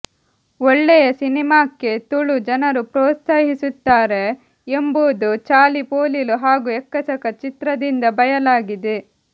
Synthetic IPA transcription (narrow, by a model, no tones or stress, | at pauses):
ɔɭːɛjɐsinimaːkːe̞t̪uɭud͡ʒɐnɐɾupɾoːt̪sɐːɦisut̪ːaːɾe̞ː | mbud̪ut͡ʃaːlipoːliluɦaːɡuɛkːɐsɐkɐt͡ʃit̪ɾɐd̪ind̪ɐbɐjɐlaːɡid̪e